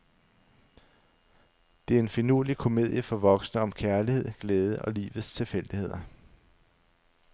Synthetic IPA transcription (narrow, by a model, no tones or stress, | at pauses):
d̥e̝æɐe̝nfinuɐlikʰo̝me̝ð̰ˠjəfɒ̽ʋɒ̽ɡ̥snəɒ̽mkʰæɐlihe̝ð̞̰ˠɡ̥leːð̞ˠəʔɒ̽lḭːʋð̩ˠst͡sʰe̝lfel̰d̥ihe̝ð̞̰ˠɐ